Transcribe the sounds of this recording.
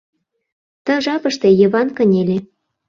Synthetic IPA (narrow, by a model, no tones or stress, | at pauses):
t̪ə̆ʒɑpɤ̆ʃt̪ejə̆βɑnkə̆nʲelʲe